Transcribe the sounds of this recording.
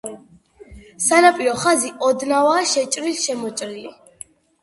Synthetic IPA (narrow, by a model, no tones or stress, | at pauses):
sanapʼiɾɔχaziʔɔd̪navaːʃɛt͡ʃʼɾilʃɛmɔt͡ʃʼɾili